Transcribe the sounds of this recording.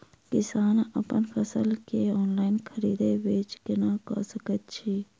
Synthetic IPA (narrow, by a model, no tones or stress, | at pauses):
kɪsaːnə̰pənpʰəsəlkeɔːnlaːɪnkʰəɾiːd̪eʋeːt͡ʃkɪnakɔ̰səkət̪̚t͡ʃʰiː